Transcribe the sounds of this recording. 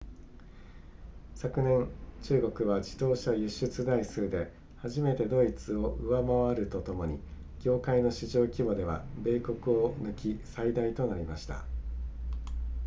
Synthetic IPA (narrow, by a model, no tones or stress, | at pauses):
sakɯ̟nẽ̞nt͡ɕɨːɡo̞kɯ̟βad͡ʑid̪o̞ːɕajɯ̟ɕːɨt͡sɨd̪aisɨːd̪e̞ | haʑime̞t̪e̞d̪o̞it͡sɨo̞ʔɯ̟βamaβaɾɯ̟t̪o̞t̪o̞mo̞ɲ̟i | ɡ̥ʲo̞ːkaino̞ɕiʑo̞ːkʲibo̞d̪e̞β̞a̰be̞ːko̞kɯ̟o̞nɯ̟kʲisaid̪ait̪o̞naɾʲimaɕi̥t̪a̰